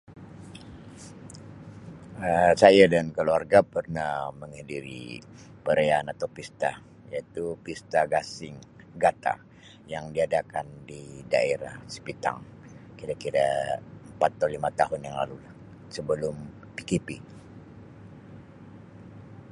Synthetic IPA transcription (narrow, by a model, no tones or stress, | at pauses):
əsajadankəluarɡapərnaməŋhadiɾḭpəɾeanat̪awpist̪a | jait̪upist̪aɡasɪŋ | ɡat̪a̰ | jaŋdiadakandida̰eɾahsə̥pit̪a̰ŋkiɾakiɾaəmpat̪ːawlimat̪aɦʊnjaŋlalulah | səbəlʊm | pikipi